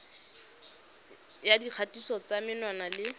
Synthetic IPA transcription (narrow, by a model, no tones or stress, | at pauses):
jadiq͡χʰatisɔt͡samɪnwanalɪ